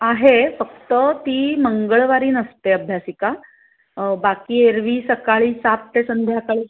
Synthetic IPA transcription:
aɦefəkt̪ət̪iːməŋɡəɭʋaɾiːnəst̪eəbʱjasika | bakiːeɾʋiːsəkaɭiːsat̪̚t̪esənd̪ʱjakaɭiː

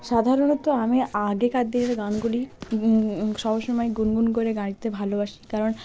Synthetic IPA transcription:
ʃad̪ʱaɾonot̪oamiaɡekaɾd̪ieɾeɡanɡuli | ʃɔɦoʃomɔeɡunɡunkoɾeɡaɽ̃it̪ebʱalobaʃi̥kaɾon

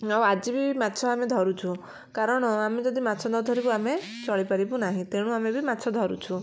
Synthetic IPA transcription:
aw̃ad͡ʒibimat̪ːʃʰɔamed̪ʱɔɾut͡ʃʰu | kaɾɔɽ̃ɔamed͡ʒɔd̪ʱimat̪ːt͡ʃʰɔd̪ɔd̪ʱɔɾibuame | t͡ʃɔɭipaɾibunaɦĩt̪eɽ̃ũamebimat̪ːsʰɔd̪ʱɔɾṵt͡ʃʰu

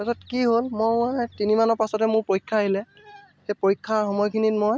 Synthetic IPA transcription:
asɔtkiɦolmoajtinimanɔpasɔtɛmʊɹpoɹikʰːaɦilɛ | xejpoɹikʰːaxɔmɔjkʰinitmoj

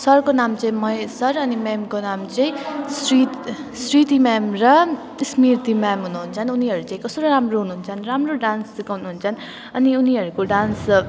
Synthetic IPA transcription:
sʌrkonamt͡sʌ̃ĩmʌesʌɾʌnimamkonamt͡sʌĩsɾit̪ | sɾit̪imamrʌ | smirt̪imamɦunuɦunt͡sʰʌnuniɦʌɾut͡sãĩkʌsoɾoɾamroɦunuɦunt͡sʰʌnramroɖanskoɦunuɦunt͡sʰʌn | ʌniuniɦʌɾukoɖans

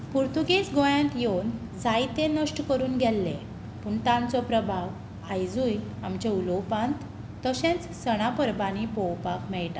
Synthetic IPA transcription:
puɾt̪uɡet͡sɡojãnt̪jown | d͡zajt̪ẽnəʂʈkəɾuːnɡʱɛlːe | puːɳt̪ãnt͡sɔpɾəbʱaʋ | ajd͡zujamt͡ɕeulɔwpãnt̪ː | əɕɛ̃t͡s | səɽ̃apəɾbanipɔwpakmɛɭʈ̪ã

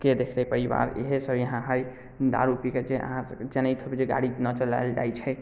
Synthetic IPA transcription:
ked̪ekʰt̪apəɾiba̰ɾḛɦesəbʱjəɦãɦəj | d̪a̰ɾupiked͡ʒeʔə̰ɦãsəd͡ʒenət̪ʰobed͡ʒeɡa̰ɽinət͡ʃəla̰jld͡ʒa̰jt͡ʃʰɛ

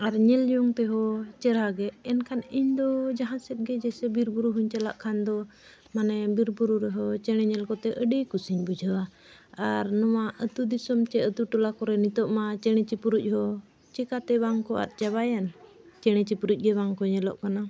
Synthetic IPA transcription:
aɾɲɛljuŋt̪ɛɦɔt͡ʃɛɾaɡɛːnkʰaniɲd̪ɔd͡ʒaɦãsɛt̪̚ɡɛd͡ʒɛsɛbiɾbuɾuɦuɲt͡ʃɛlaʔkʰand̪ɔ | manɛbiɾbuɾuɾɛɦɔt͡ʃɛɽ̃ɛɲɛlkɔt̪ɛʔəɖijkusiɲbud͡ʒʱawa | aɾnɔwaʔət̪ud̪isɔmt͡ʃɛət̪uʈɔlakɔɾɛnit̪ɔʔmat͡ʃɛɽ̃ɛt͡ʃipuɾuc̚ˀhɔ | t͡ʃɛkat̪ɛbaŋkɔʔa̰t̪̚t͡ʃaβajant͡ʃɛɽ̃ɛt͡ʃipuɾuc̚ˀɡɛbaŋkɔɲɛlɔ̰ʔkana

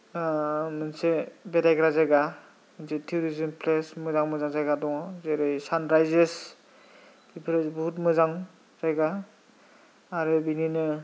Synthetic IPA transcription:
mɯnsebedajɡɾazajɡa | mɯnsetʰiuɾizimpʰlesmɯzaŋmɯzaŋzajɡadɔŋzeɾɯjsanɾajzes | bipʰɾesbɦutmɯzaŋ | z̥ajɡa | ɾɯbininɯ

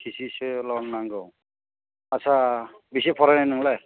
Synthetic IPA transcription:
kʰisiselɔnnaŋɡɯw | asabisepʰɔɾananɯŋlaj

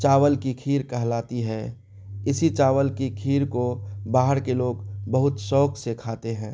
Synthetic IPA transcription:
t͡ʃaːʋəlkikʰiːɾkɐɦlaːt̪iɦɛː | ɪsit͡ʃaːʋəlkikʰiːɾkobaːɦəɾkeloːɡbɐɦʊt̪sɔːkʰsekʰaːt̪eɦɛ̃ː

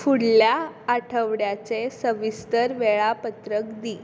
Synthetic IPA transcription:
fuɽljaːʈʰəʋɽjat͡sesəʋist̪əɾʋɛɭapət̪ɾəkd̪iː

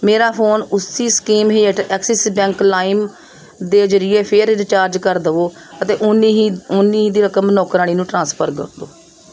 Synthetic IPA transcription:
meːɾaːpʰoːnʊsːiːskiːmɦiːeːʈɛːksɛsbɛ̃ːŋklaːim | d̪eːzəɾɪeːpʰeɾɾt͡ʃaːɾd͡ʒkəɾd̪əʋoː | ət̪eːʔʊniɦiʊnːiːiːd̪iːɾəkəmnɔːkɾaːɽ̃iːnũːʈɾãːspʰəɾkə̰ɾd̪oː

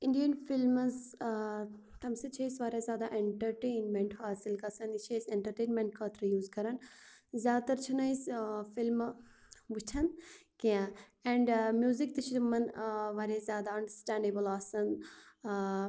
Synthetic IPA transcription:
ɪ̃ɳɖijənfilmz | t̪ɐmset͡ʃʰɐisʋaːɾʲazjaːd̪aʔẽɳʈɐɾʈeːnmẽɳʈfaːsilkɐsɐnit͡ʃʰeseɳʈɐɾʈeːnmẽɳʈ̚kʰɐːt̪ʰɾɐjuːzkɐɾɐnzjaːd̪̚t̪ɐɾt͡ʃʰɐnɐisfilm | ʋut͡ʃʰɐnkijã | ɛ̃ːɳɖmjuːzik̚t̪ɨt͡ʃʰit̪mɐnʋaːɾazjaːd̪aɐɳɖəsʈãːɳɖebəlaːsɐn

